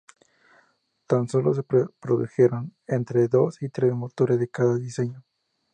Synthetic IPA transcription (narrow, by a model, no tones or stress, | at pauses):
t̪anso̞lo̞s̬e̞pɾoðuxe̞ɾonent̪ɾeðo̞sit̪ɾesmot̪o̞ɾezðe̞kaðaðise̞ɲo